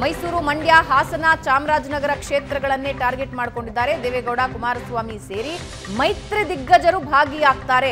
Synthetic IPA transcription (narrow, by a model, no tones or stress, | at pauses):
mɐjsuːɾumɐɳɖjaːɦaːsɐnaːt͡ʃaːmɾaːd͡ʒnɐɡɐɾɐkʂeːt̪ɾɐɡɐɭɐnːeʈaːɾɡeʈmaːɽko̞ɳɖid̪ːaːɾe̞d̪eːʋeɡɐwɽaːkumaːɾɐsʋaːmiseːɾi | mɐjt̪ɾed̪iɡːɐd͡ʒɐɾubʱaːɡijaːɡ̚t̪aːɾe̞